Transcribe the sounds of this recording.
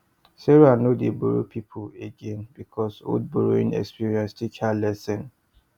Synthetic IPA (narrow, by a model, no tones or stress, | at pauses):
sɛɹanodeboɹopʰipʰoeɡẽnbikʰɔso̰d̚boɹoḭ̃nɛ̰kspiɹiɛ̃nstʰikhalɛsɛ̃n